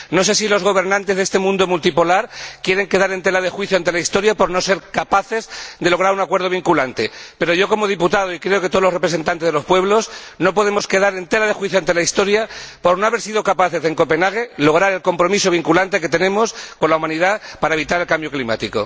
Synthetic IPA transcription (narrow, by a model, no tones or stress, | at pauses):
no̞se̞silo̞zɣo̞β̞e̞ɾnãnt̪ezðest̪e̞mũnd̪o̞mult̪ipo̞laɾkje̞ɾe̞ŋke̞ðaɾe̞nt̪e̞laðe̞xwiθjoant̪elaist̪o̞ɾjapo̞ɾno̞se̞ɾkapaθe̞zðe̞lo̞ɣ̞ɾaɾunakwe̞ɾð̞o̞β̞iŋkulant̪e̞pe̞ɾo̞ʝo̞ko̞mo̞ð̞iput̪að̞o̞ikɾe̞oket̪o̞lorepɾese̞nt̪ant̪ezðeospwe̞βlo̞snopo̞ð̞e̞mo̞ske̞ðaɾe̞nt̪e̞laðexwiθjoant̪e̞laist̪o̞ɾjapo̞ɾno̞aβe̞ɾsið̞o̞kapaθe̞zðe̞ŋko̞pe̞naɣ̞e̞lo̞ɣɾaɾe̞lko̞mpɾo̞miso̞β̞iŋkulant̪e̞ke̞t̪e̞nẽ̞mo̞sko̞nlaumãniðapaɾaeβit̪aɾe̞lkambjo̞klima̰t̪iko̞̰